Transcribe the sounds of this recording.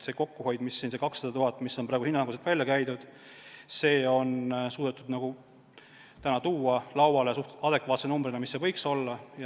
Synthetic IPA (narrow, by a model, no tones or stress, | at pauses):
se̞ko̞kːuho̞jd̪̥misːiːnse̞kɑksɑd̪̥ɑt̪uɦɑt̪ːˑmisːo̞mpɾɑeɡuhinːɑɑŋɡuset̪vælʲjɑkæjd̪ud̪̥ | se̞ːo̞nsuːd̪et̪ːˑud̪̥nɑɡ̥u | t̪ænɑt̪uːɑlɑwwɑlesuht̪ɑd̪̥e̞kvɑːt̪senumbɾinɑmisːe̞vɤ̞jkso̞lːɑjɑ